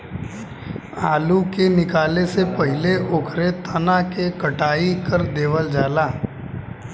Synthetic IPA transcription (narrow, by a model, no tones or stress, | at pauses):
aːlukenɪkaːlesepɐɦɪleʔʊkʰɾet̪ʰɐnakekɐʈaːikəɾd̪eːʋəld͡ʒaːlaː